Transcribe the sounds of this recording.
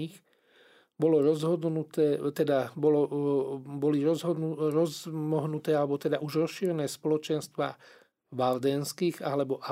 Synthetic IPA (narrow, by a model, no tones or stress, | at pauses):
ix | bɔlɔɾɔzɦɔd̪nut̪ɛt̪ɛd̪abɔlɔ | bɔliɾɔzɦɔd̪uɾɔzmɔɦnut̪ɛːalɛbɔt̪ɛd̪aʔuʒɾɔsʃiːɾɛnɛːspɔlɔt͡ʃɛnst̪ʋa̰ː | ʋald̪ɛnskiːɣalɛbɔʔa